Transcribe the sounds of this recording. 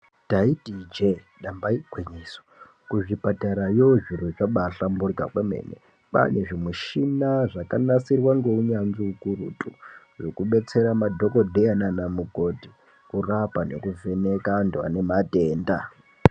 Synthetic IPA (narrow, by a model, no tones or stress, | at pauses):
taitid͡ʒe | ɗambaiɡweɲiso̥ | kuʐipataɾajoʐiruʐaɓaɬamburika̰kwemḛnḛ | pa̰neʐimuʃinaʐakanasirwaŋɡeuɲanziukurṵtʼu | ʐokuɓe̞t͡se̞ɾamadʱo̞ko̞dʱeananamuɡoti | kurapanḛkuve̞ne̞kandua̰ne̞mate̞ːnda